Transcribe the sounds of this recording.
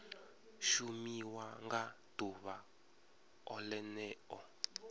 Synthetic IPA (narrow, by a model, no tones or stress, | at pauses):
ʃumiwaŋɡatuβa | ɔlɛnɛːɔ